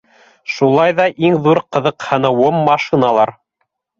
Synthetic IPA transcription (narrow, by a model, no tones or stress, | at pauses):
ʃulˠɑjðɑʔiŋðuɾqɤ̆ðɤ̆qhɤ̆nɤ̆wɤmːɑʃinɑlˠɑɾ